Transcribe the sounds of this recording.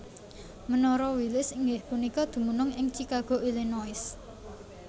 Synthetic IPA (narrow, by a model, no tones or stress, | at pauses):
mənɔɾɔwilɪsiŋɡɪhpunikɔd̪̥ṳmunʊŋɪŋt͡ʃikaɡ̥o̤ʔilinɔɪs